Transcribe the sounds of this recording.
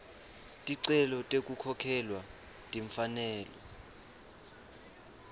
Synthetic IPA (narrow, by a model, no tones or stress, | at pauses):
tʼiǀɛlɔtʼekʼukʰɔkʰɛlwa | tʼiɱfanɛːlɔ̰